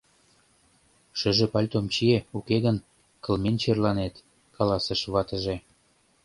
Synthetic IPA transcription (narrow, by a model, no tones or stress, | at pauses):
ʃə̆ʒĕpɑlʲt̪omt͡ɕieukeɣən | kə̆lment͡ɕerlɑnet̪ | kɑlɑsəʃβɑt̪ə̆ʒe